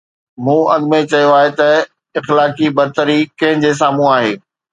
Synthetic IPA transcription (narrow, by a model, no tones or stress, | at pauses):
mũːɐɠmẽt͡ɕɐjoaːɦet̪ɐ | ɪxlaːkibɐɾt̪əɾikɐ̃ɦɪ̃d͡ʑes̬aːmũaːɦeː